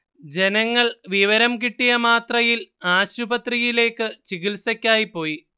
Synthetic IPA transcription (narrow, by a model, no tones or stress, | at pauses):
d͡ʑe̞nɐŋːɐɭʋiʋɐɾɐmkiʈːijɐmaːt̪rɐjilaːɕubɐt̪rijile̞ːkːɨt͡ɕiɣilsɐkʲːaːjipːo̞ːji